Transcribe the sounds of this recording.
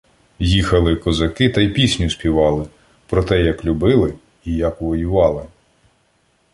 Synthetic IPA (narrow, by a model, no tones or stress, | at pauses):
jixɐlˠɪkɔzɐkɪt̪ɐjpʲisʲnʲʊsʲpʲiʋɑlˠɪ | pɾɔt̪ɛjɐklʲʊbɪlˠɪ | ijɐkʋɔjʊʋɑlˠɪ